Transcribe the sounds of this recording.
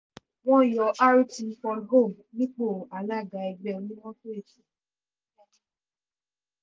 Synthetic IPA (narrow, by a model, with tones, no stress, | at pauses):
w̃ɔ̃˦˨jɔ˨˧ʔa˦ɾi˦ti˧˦fɔ˧lɡo˦˨m | nĩ˦k͡po˦˨a˨˦la˦˨ɡa˨ɛ˧ɡ͡bɛ˦o˧˨nĩ˦w̃ɔ̃˦to˦e˦˨ti˨˦